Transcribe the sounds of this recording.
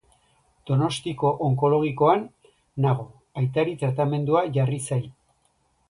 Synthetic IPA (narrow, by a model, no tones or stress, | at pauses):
d̪̥o̞no̞st̪iko̞ʔoŋko̞lo̞ɣ̞iko̞anː | aɣ̞o̞ | ajt̪aɾit̪ɾat̪ame̞nd̪uaʝarisaj